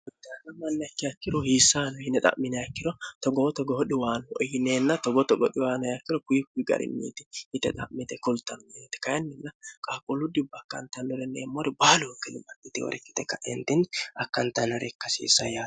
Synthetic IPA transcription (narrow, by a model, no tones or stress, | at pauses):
ʊd̪ːɪanɐmɐnːɛɐkːɪɐkːɪɾɔhiːsːaːnɔhɪnːɛt̪ʼɐ̰ʔmɪnɛjɐkːɪɾɔt̪ɔɡɔɔt̪ɔɡɔhɔɗɪwaːnɔjɪneːnːɐt̪ɔɡɔt̪ɔɡɔt̪ːɪwaːnɐjɐkːɪɾɔkʊjɪkʊjɪɡɐ̰ɾʔɪ̰nːḭːt̪ɪhɪt̪ːɛt̪ʼɐ̰ʔmɪt̪ɛkʊlt̪ːɐnʊjeːt̪ɪ̥kɐjɐnːɪnːɐkʼaːkʼʊlːʊd̪ɪbɐkːɐ̰nt̪ɐnːɔɾɛnːɛːmːɔɾɛbaːlʊkːɛnɪmɐnɪt̪ɪ̰wɔ̰ɾɛkːɪ̥t̪ɛkːɐʔɛnt̪ɪnɐkːɐnt̪ɐnɔɾɛkːɐsḭːsːɐjaː